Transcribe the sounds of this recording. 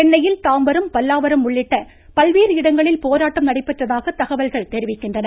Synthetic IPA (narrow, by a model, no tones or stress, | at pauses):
ɛnːɐjɪlt̪aːmbɐɾɯmpɐlːaːʋɐɾɐmːʊɭːɪʈːɐ | pɐlʋiːɾɪɽɐŋɡɐɭɪlpoːɾaːʈːɐmnɐɽɐɪpːɐʈrɐðaːɣɐt̪ːɐɣɐʋɐlɣɐɭt̪ɛɾɪʋɪkːɪndrɐnɐ